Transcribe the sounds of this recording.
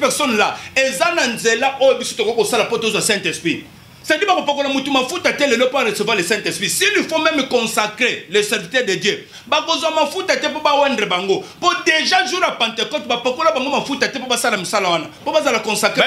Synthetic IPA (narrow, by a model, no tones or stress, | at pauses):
pɛʁsɔnlaezananzelaʔojbisi̥tokokosalapotozwasɛ̃tɛspʁi | sadibakopak̬olamutumafutatɛlelopoaʁezevalesɛ̃tɛspʁisilifomɛmkɔsakʁelesɛʁvitɛʁdedjø | bakozwamafutatɛpobawɛndʁebaŋɡopodeʒaʒuʁapãntekɔtbapakolabaŋɡomafutatɛpobasalamisalawanapobazalakɔ̃nsakʁe